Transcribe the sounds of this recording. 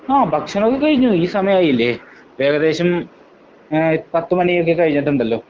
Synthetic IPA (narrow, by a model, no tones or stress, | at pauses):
aːbʱɐkʂɐnokːekɐɻiɲːuiːsɐmɐjɐaːjilːe | ʋeːɡɐd̪e̞ːɕɐm | pɐt̪ːɨmɐnijok̬ːekɐɻiɲːɐʈːuɳɖɐlːo̞ː